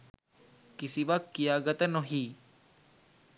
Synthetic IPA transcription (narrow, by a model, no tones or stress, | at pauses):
kɪsiʋɐk̚t̪̚kijaːɡət̪ənoɦiː